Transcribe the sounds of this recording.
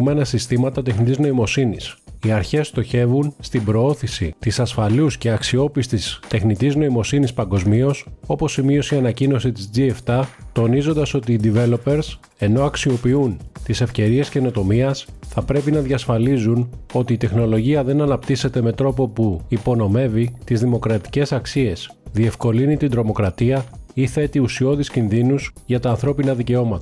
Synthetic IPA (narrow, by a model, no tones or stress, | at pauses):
me̞nɐsist̪imɐt̪ɐt̪exnit̪iznoimo̞sinisiɐɾçe̞st̪o̞çe̞vunst̪ibɾo̞o̞θisḭt̪isɐsfɐlusce̞ɐksio̞pist̪ist̪e̞xnit̪izno̞imo̞sinispɐŋɡo̞zmio̞so̞po̞simio̞siɐnɐcino̞sit̪izd͡zieft̪ɐt̪o̞nizo̞nd̪ɐso̞t̪iːd̪ive̞lo̞pe̞ɾs | e̞noɐksio̞piunt̪ise̞fce̞ɾie̞sce̞no̞t̪o̞miɐsθɐpɾe̞pinɐðʝɐsfɐlizuno̞t̪iːt̪e̞xno̞lo̞ʝiɐðe̞nɐnɐpt̪ise̞t̪e̞me̞t̪ɾo̞po̞puipo̞no̞me̞vit̪izðimo̞kɾɐt̪i̥ce̞sɐksie̞s | ðie̞fko̞linit̪ind̪ɾo̞mo̞kɾɐt̪iɐiθe̞t̪iusio̞ðiscinðinusʝɐt̪ɐːnθɾo̞pinɐðice̞o̞mɐt̪ɐ